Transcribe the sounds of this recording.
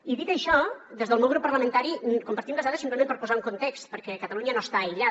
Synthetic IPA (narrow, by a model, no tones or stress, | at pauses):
iðit̪əʃɔd̪ezðəlmɛwɣɾupːəɾləmənt̪aɾikumpəɾt̪imbəzðaðəsimpləmenpəɾpuzauŋkunt̪ekst̪pəɾkɛkət̪əluɲənost̪aəʎa